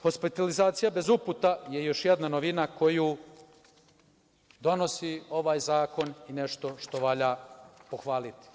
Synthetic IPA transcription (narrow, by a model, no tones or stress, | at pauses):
xo̞spit̪alizaːt̪sijabe̞zuput̪aje̞jo̞ʃjed̪nanoʋinako̞ju | d̪o̞no̞sio̞ʋaːjzaːko̞nine̞ʃt̪o̞ʃt̪o̞ʋaʎapo̞xʋaːlit̪i̥